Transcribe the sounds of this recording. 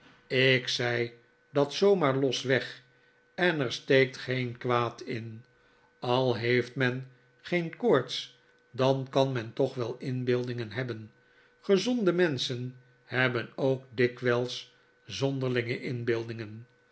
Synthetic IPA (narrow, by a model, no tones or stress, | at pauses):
ɪksɛj | dɑtsowmaːɹlɔsʋɛχ | ɛnəɹstejk̚tχejnkʋaːtɪn | ɑlˠɦejftmɛn | χejnkʊɹts | dɑnkɑnmɛntɔχʋɛlˠɪnbɪlˠdɪŋənɦɛbən | χəzɔndəmɛnsən | hɛbənoʊk̚dɪkʋɛlˠs | zɔndəɹlɪŋəʔɪnbɪlˠdɪŋən